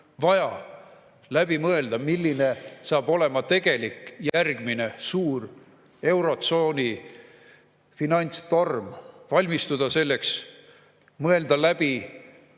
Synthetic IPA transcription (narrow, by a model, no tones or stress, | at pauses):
vɑjɑ | læb̥imɤe̞ld̪̥ɑmilːine̞sɑːb̥o̞le̞mɑt̪e̞ɡ̥e̞likˑːjærɡ̥mine̞suːr | e̞wɾo̞t̪so̞ːnʲi | finɑjnʲt̪st̪o̞rmvɑlʲmist̪ud̪̥ɑse̞lːe̞ks | mɤe̞ld̪ɑlæb̥i